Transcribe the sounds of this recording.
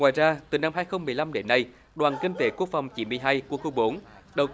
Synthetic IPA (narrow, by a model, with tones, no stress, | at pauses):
ŋwaː˨˩jzaː˧t̪ɨ˨˩na˧mɦaː˧jxə˧wŋ͡mmɨ˨˩əjla˧mɗe˨˦nːa˧j | ɗwaː˨˩nkï˧ŋ̟t̪e˨˦ku˦˥ək̚fa˨˩wŋ͡mt͡ɕḭ˧˨˦mɨ˧˩əjɦaː˧jku˧˩əxu˧ŋ͡mɓo˨˦nɗə˨˩w